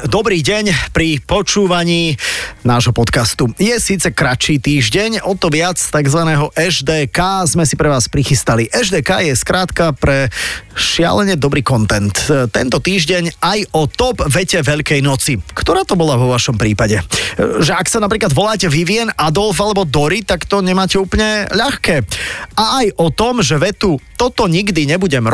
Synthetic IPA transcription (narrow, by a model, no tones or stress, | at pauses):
d̪ɔbɾiːɟɛɲpɾipɔt͡ʃuːʋaɲiːnaːʒɦɔpɔt̪kast̪ujɛsiːt͡sɛkɾat͡ʃiːt̪iːʒɟɛɲɔt̪ɔʋɪat͡st̪aɡzʋanɛːɦɔʔɛʒd̪ɛːkaːzmɛsipɾɛʋaːspɾixist̪aliʔɛʒd̪ɛːkaːjɛskɾaːt̪kapɾɛʃɪa̰lɛɲɛd̪ɔbɾiːkɔnt̪ɛnt̪t̪ːɛ̰nt̪ɔt̪iːʒɟɛɲajɔt̪ɔbʋɛcɛʋɛʎkɛjnɔt͡sikt̪ɔɾaːt̪ɔbɔlaʋɔʋaʃɔmpɾiːpaɟɛʒɛaksanap̬ɾiːklad̪ʋɔlaːcɛʋiʋɪɛnʔad̪ɔlfalɛbɔd̪ɔɾit̪akt̪ɔɲɛmaːcɛuːpl̩ɲɛʎaxkɛːaːjʔɔt̪ɔmʒɛʋɛt̪ut̪ɔt̪ɔɲiɡd̪iɲɛbuɟɛm